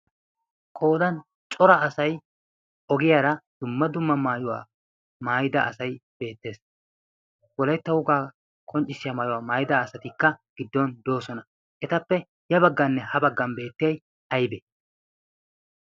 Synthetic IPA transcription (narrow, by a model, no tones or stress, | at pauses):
kʼo̞ːd̪ɐn | t͡ʃʼɔɾɐːsɐj | ɔɡɪjaːɾɐd̪̥ʊmːɐd̪ʊmːɐmaːjʊwa̰ː | maːjɪd̪ɐʔːsɐjb̥e̞ːt̪ːe̞ːs | wɔlɐjt̪ːɐwʊɡaː | kʰʼɔnt͡ʃʼːɪsːɪjamaːjʊwaːmaːjɪd̪ɐːsɐt̪ɪkːɐɡ̥ɪd̪ːɔnd̪o̞ːsɔnɐ | ʔɛt̪ɐpːɛ | jɐbɐɡːɐnːɛhɐbɐɡːɐmbe̞ːt̪ːɪjɐj | ɐjbɛ